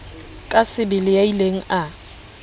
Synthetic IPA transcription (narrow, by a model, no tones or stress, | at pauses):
kʼasɪbɪlɪjaileŋ̩ʔa